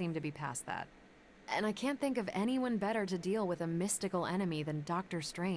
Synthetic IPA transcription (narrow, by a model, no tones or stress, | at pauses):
ĩmtɨbipʰæ̰sðæ̰t̚ | ʔɨ̰̃naɪkʰæ̃nθɪ̃ŋkʌvɛɾ̃iwʌ̃nbɛɾə˞ɾɨdilˠwəðɨmɪstɨkl̩ˠɛñɨmiðɨ̃ndɑk̚tə˞stɹ̥ẽɪ̃